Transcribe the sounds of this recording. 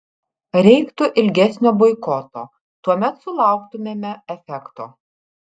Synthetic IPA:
ɾʲɛɪkt̪ʊʔɪlʲɡʲɛsʲnʲoːbɔɪkɔt̪o̰ː | t̪uɔmʲɛt̪sʊlˠɑˑʊkt̪ʊmʲeːmʲɛɛfʲɛkt̪o̰ː

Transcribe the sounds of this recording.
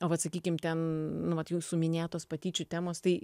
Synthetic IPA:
oːʋɐt̪sɐkʲiːkʲɪmt̪ʲɛnnʊʋɐt̪jɛːsʊmʲɪnʲeːt̪oːspɐt̪ʲiːt͡ʃʲʊt̪ʲæːmoːst̪ɐɪ

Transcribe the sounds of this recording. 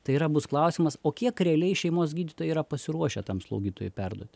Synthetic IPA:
t̪ɐɪiːɾɐbʊsklˠɐʊsʲɪimɐsoːkʲiɛkɾʲɛɐlʲɛɪʃʲɛɪmoːsɡʲiːd̪ʲɪt̪oːjɛiːɾɐpɐsʲɪɾuɔʃʲɛt̪ɐmslˠɐ̰ʊɡʲiːt̪oːjʊpʲɛrd̪uɔt̪ʲ

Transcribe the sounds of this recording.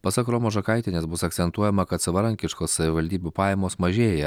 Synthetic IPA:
pɐsɐkɾoːmoːʒɐkɐˑɪt̪ʲɪnʲeːsbʊsɐkt̪sʲɛnt̪uɔjɛmɐkɐt̪sɐʋɐɾɐŋʲkʲɪʃkoːssɐʋʲɪʋɐlʲd̪ʲiːbʲuːpɑːjɛmoːsmɐʒʲeːjɛ

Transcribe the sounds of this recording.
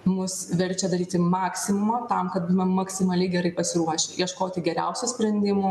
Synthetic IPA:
mʊsʋʲɛɾʲt͡ʃʲɛd̪ɐɾʲiːt̪ʲɪmɑːksʲɪmʊmɐt̪ɐmkɐt̪̚bumʲɛmɐksʲɪmɐlʲɛɪɡʲɛɾɐɪpɐsʲɪɾuɔʃʲɪʔiɛʃkoːt̪ʲɪɡʲɛɾʲɛ̰ʊsʲusʲpʲɾʲɛnʲd̪ʲɪmoː

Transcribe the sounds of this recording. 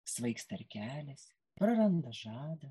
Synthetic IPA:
sʋɐɪkst̪ɐɾʲkʲæːlʲɛs | pɾɐɾɐnd̪ɐʒɑːd̪ɐ

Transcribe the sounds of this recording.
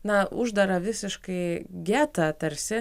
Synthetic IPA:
nɐʊʒd̪ɐɾɐʋʲɪsʲɪʃkɐɪɡʲæːt̪ɐt̪ɐɾʲsʲɪ

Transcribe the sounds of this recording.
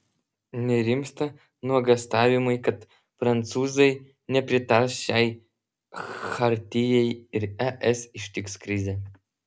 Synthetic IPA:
nʲeɾʲimst̪ɐ | nɔɡɐst̪avʲimɨjkɐt̪ | fɾɐnt̪suzɐj | nʲɛpɾʲɪt̪arɕaj | xart̪ʲijejirɛʔɛsiʃt̪ʲikskɾʲizʲe

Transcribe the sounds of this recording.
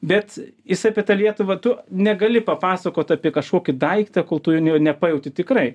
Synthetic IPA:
bʲɛt̪jɪsɐpʲiɛt̪ɐlʲiɛt̪ʊʋɐt̪ʊnʲɛɡɐlʲɪpɐpɑːsɐkoːt̪ɑːpʲiɛkɐʃkoːkʲɪd̪ɐɪkt̪ɐkoːlˠt̪ʊjnʲɛnʲɛpɐːjɛʊt̪ʲɪt̪ʲɪkɾɐɪ

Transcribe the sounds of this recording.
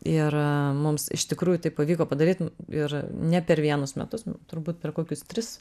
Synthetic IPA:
ɪrmʊmsɪ̰ʃt̪ʲɪkɾuːjʊt̪ɐɪppɐʋʲiːkoːpɐd̪ɐɾʲiːt̪ɪrnʲɛpʲɛɾʋʲiɛnʊsmʲɛ̰t̪ʊst̪ʊɾbuːt̪̚pʲɛrkoːkʲʊst̪ʲɾʲɪs

